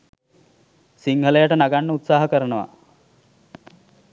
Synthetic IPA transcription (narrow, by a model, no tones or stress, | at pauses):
siŋɦələjaʈənaɡanːəut̪saːɦəkəɾənəʋa̰